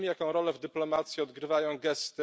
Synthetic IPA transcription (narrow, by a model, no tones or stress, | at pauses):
mʲijakɔ̃w̃ɾɔlɛvd̪ɘplɔmat̪sʲjiɔd̪ɡɾɘvajɔ̃w̃ɡɛst̪ɘ